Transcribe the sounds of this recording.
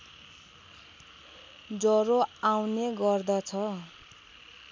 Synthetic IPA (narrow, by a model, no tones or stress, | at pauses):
d͡zʌɾoawneɡʌrd̪ʌt͡sʰʌ